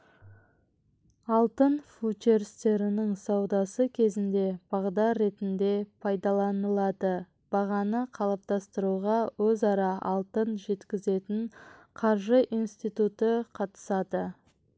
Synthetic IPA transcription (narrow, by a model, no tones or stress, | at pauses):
ɑlˠt̪ənfut͡ʃeɾst̪e̞ɾɪnɪŋsɑwd̪ɑsəkʲʰe̞zɪnd̪e̞b̥ɑʁd̪ɑɾːe̞t̪ɪnd̪e̞pʰɑjd̪ɑlˠɑnəlˠɑd̪ə | b̥ɑʁɑnəqʰɑlˠəp̚t̪ɑst̪əɾuʁɑwɵzɑɾɑʔɑlˠt̪ənʒe̞t̪kʲɪze̞t̪ɪɴqʰɑɾʒəʔinst̪ijt̪ut̪əqʰɑt̪ə̥sɑd̪ə